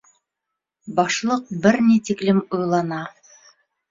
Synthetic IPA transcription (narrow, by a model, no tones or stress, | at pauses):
bɑʃlˠɤq̚bɘɾnit̪iklɘmujlˠɑnɑ